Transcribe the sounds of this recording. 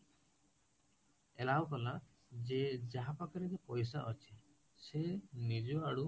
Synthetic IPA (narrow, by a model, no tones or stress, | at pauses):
elawkɔla | d͡ʒed͡ʒaɦapakɔɾed͡ʒepɔjs̬aʔɔt͡ʃʰi̥ | senid͡ʒɔaɽu